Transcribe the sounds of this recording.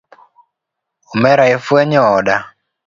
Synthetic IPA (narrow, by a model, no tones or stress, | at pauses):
omɛɾaefwɛɲɔɔda